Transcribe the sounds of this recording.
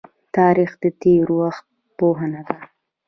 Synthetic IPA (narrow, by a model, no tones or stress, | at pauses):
t̪ɑɾixd̪ət̪eɾwaxt̪̚ | poɦanad̪a